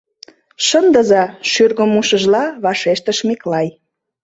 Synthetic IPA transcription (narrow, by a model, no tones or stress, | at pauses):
ʃənd̪əzɑʃyrɣəmuʃə̆ʒlɑβɑʃeʃt̪əʃmeklɑj